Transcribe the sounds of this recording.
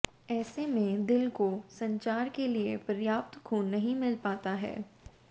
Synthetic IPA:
ɛːsemẽd̪ɪlkosɐ̃ɲt͡ʃaːɾkeliepɐɾjaːp̚t̪kʰuːnːɐɦĩmɪlpaːt̪aɦɛ̰ː

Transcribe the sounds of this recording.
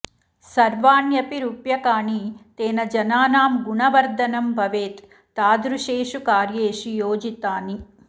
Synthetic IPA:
sɐɾʋaːnjɐpiɾuːpjɐkaːnit̪eːnɐd͡ʒɐnaːnaːmɡuɳɐʋɐɾd̪ʱɐnɐmbʱɐʋeːt̪ː | aːd̪ɾuʂeːʂukaːɾjeːʂijoːd͡ʒit̪aːni

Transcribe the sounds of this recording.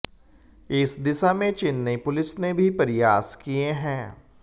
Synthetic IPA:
ɪsd̪ɪsamẽt͡ʃɪnːepʊlɪsnebʱipɐɾɪjaːskieɦɛ̃ː

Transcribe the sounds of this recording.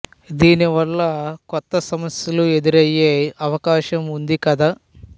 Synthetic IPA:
d̪iːniʋɐlːɐkɔt̪ːɐsɐmɐsjɐlue̞d̪iɾɐjːeːɐʋɐkaːʃɐmund̪ikɐd̪aː

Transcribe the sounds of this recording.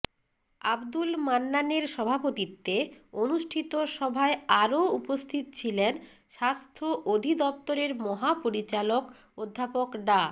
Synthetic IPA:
abd̪ulmanːaneɾʃɔbʱapot̪it̪ːeonuʃʈʰit̪oʃɔbʱaeaɾoupost̪ʰit̪ot͡ɕʰilen | ʃast̪ʰoʔod̪ʱid̪ɔp̚t̪oɾeɾmɔɦapoɾit͡ɕalok | od̪ʱːapokɖa

